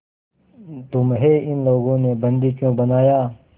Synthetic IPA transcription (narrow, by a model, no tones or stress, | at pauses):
t̪ʊmɦeːɪnloːɡõːnebɐ̃nd̪iːkjõːbənaːjaː